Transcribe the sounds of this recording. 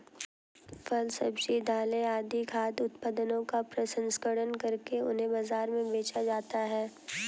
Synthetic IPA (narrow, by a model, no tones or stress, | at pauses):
fʰɐlsɐbsid̪ʱaːleaːd̪ikʰaːd̪ʊt̪pəd̪ənõkapɾɐsə̃nsɡəɽənkɐɾkeʊ̰nɦẽbaːzaːɾmẽbeːt͡ʃad͡ʒaːt̪aɦɛː